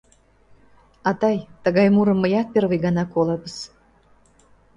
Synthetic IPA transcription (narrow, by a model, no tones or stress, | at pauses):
ɑt̪ɑjt̪əɣɑjmuɾəmːəjɑt̪̚perβəjɡɑnɑkolɑbəs